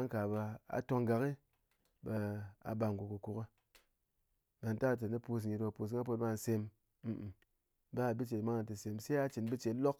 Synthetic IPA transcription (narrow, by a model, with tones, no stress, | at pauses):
a˦ŋka˨ba˧a̰˨to˧ŋɡa˨ki˦ | ba˧a̰˨ba˧˨ŋ˨ɡʷu˨ku˨ku˨ka˦ | ba˧n̩˦ta˦˨t̬e˨ni˦pu˧s̬ŋi˨tba˨˧pu˧s̬i˨˦ŋ˦a˦po˧˦t̚ba˦˧˨n̩˨se˧m̩˨ | ba˦˨bi˦t͡ʃe˨tma˦ŋa˨ti˨se˨mse˦a˧˦t͡ʃi˨nbi˦t͡ʃe˨˦lo˦k̚